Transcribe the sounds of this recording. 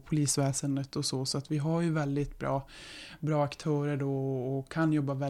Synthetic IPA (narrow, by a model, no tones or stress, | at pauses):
pʰʊliːsvɛːsənd̪ət̪ɔsɔsɔat̪vɪɦaɾjɵvɛld̪ɪt̪bɾɑ̰ːbɾɑːakt̪ʰœːɾəɖɔːkʰːanjɔbːavɛ